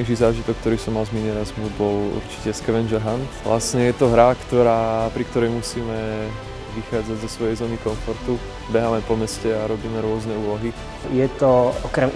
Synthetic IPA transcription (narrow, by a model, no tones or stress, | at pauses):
ɛʒizaːʒit̪ɔkkːt̪ɔɾisɔmːalzminɛɾazmubɔlṵɾt͡ʃi̥cɛskɛʋɛnʒɛɦanʋlʔa̰sɲɛjɛt̪ɔɦɾakt̪ɔɾaːpɾikt̪ɔɾɛjmusiːmɛ | ʋixaːd͡zaɟzɔsʋɔjɛjzɔːnikɔɱfɔɾt̪u | bɛɦaːmɛpɔmɛscɛaɾɔbiːmɛɾʊɔznɛuːlɔɦi | jɛt̪ɔɔkɾɛm